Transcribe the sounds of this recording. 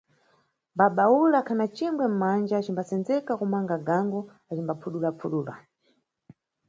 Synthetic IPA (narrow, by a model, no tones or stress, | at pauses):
mbaɓaulakʰanat͡ʃiŋɡwɛm̩mand͡ʒat͡ʃimbasɛnzɛkakumaŋɡaɡaŋɡɔ | at͡ʃimbapʰuɗulapʰuɗuːla̰